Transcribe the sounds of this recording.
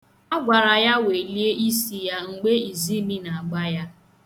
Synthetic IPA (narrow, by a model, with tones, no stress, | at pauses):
a˦ɡʷa˨ɾa˨ja˦we˨li˦e˦ʔi˦si˦ja˦ŋ̩˨ɡ͡be˦i˨zi˦mi˦na˨a˨ɡ͡ba˦ja˦